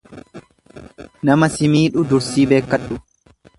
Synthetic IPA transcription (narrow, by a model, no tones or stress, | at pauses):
nɐmɐsɪmiːᶑʊd̪ʊɾsiːbe̞ːkːɐᶑʊ